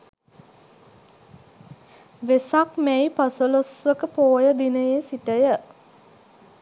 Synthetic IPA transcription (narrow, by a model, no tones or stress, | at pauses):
ʋesakmæjpasəlosʋəkəpoːjəd̪inəjesiʈəjə